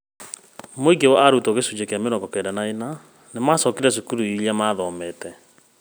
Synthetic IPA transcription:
moiɡewaʔaɾutoɣesud͡ʑekeameɾɔɡɔkɛdanaena | nemasɔkeɾɛsukuɾuiɾjamaðɔmɛtɛ

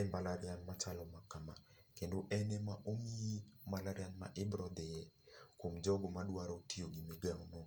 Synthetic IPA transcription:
ɛmbalaɾjanmat͡ʃalɔmakama | kendoʔɛnɛmaʔoŋiimalaɾɪanma̰ʔɪbɾɔd̪ɪjɛkwomd͡ʒɔɡɔmadwaɾɔtioɡimɪɡaŋno

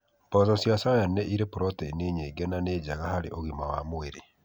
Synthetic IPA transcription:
pɔzɔsjasajanɛʔiɾepoɾɔtɛineɲeɡɛnaneːd͡ʑaɣahaɾḛʔoɣimawa̰moeɾe

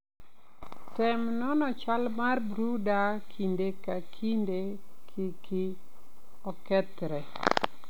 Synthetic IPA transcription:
tɛmnɔnɔt͡ʃalmarbɾudakʰindekakʰindekʰikʰi | ɔkɛtɾɛ

